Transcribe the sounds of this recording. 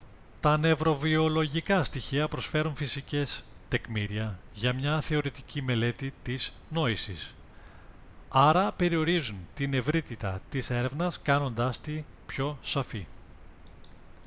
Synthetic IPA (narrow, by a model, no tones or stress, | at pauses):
t̪ɐne̞vɾo̞vio̞lo̞ʝikɐst̪içiɐpɾo̞sfe̞ɾunfisice̞s | t̪e̞kmiɾiɐ | ʝɐmɲɐθe̞o̞ɾit̪i̥cime̞le̞t̪it̪iz | no̞isis | ɐɾɐpe̞ɾio̞ɾizunt̪ine̞vɾit̪it̪ɐ̰t̪ise̞ɾe̞vnɐskɐno̞nd̪ɐst̪i | pço̞sɐfi